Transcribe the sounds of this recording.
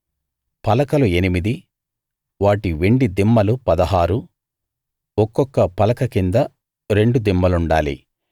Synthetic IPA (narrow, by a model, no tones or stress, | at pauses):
pɐlɐkɐlue̞nimid̪i | ʋaːʈiʋe̞ɳɖid̪imːɐlupɐd̪ɐɦaːɾu | ɔkːɔkːɐpɐlɐkɐkind̪ɐ | ɾe̞ɳɖud̪imːɐluɳɖa̰ːlḭ